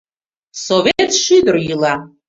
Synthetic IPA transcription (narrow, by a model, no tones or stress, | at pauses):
sovʲet̪ʂid̪ɨrjilˠa